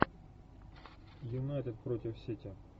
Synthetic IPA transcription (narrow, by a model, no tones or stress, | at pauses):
junajt̪ɛd̪̚pɾɔtʲiwsʲitʲɐ